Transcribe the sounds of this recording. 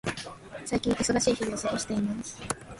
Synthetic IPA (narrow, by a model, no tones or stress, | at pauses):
saikʲĩŋʔiso̞d̪aɕiːçiɡoːsokɯ̟ɕi̥t̪e̞imasɨ̥